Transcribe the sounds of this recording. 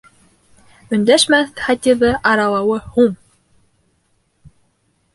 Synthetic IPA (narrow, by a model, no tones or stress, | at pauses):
ɵ̆nd̪æʃmæχɑt̪ʲiðɤʔɑɾɑlˠɑwɤhuɴ